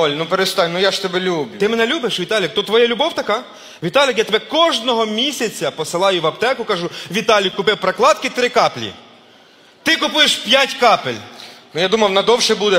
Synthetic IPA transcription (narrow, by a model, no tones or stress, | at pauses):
ɔlʲnupeɾest̪ɑnʲnʊjaʒt̪ɛbɛlʲublʲʊt̪ɪmenɛlʲubɪʃʋʲit̪ɑlʲɪkt̪ut̪t̪ːʋɔjɛlʲʊbɔwt̪ɐkɑ | ʋʲit̪ɑlʲɪkjat̪ebɛkɔʒnɔɦɔmʲisʲɐt͡sʲɐpɔsɪlˠɑjʊʋɐpt̪ɛkʊkɐʒʊʋʲit̪ɑlʲikʊpɪwpɾɐklˠɑt̪kɪt̪ɾɪkɑplʲḭ | t̪ɪkʊpʊjeʃpʲjatʲkɑpelʲnʊjad̪umɐwnɐd̪ɔwʃɛbud̪ɛ